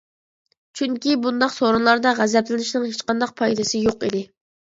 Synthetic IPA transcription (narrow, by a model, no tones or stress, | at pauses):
t͡ʃʰyŋkʲibund̪ɑqsoɾunlˠɑɾd̪ɑʁæzɛplɪnɪʃnɪŋhet͡ʃqɑnd̪ɑq̚pʰɑjd̪ɪsɨjoqid̪ɪ